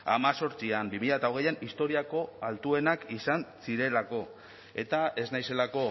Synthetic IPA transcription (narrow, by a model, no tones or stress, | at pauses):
a̰maso̞ɾt͡siambimiʎaet̪aoɣe̞janist̪o̞ɾiako̞alt̪ue̞nakisansiɾe̞lako̞ | e̞t̪ae̞znajse̞lako̞